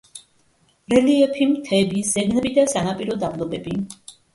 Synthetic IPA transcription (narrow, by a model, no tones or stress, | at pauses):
ɾɛliɛpʰimt̪ʰɛbisz̥ɛɡnɛbid̪asanapʼiɾɔd̪ablˠɔbɛbi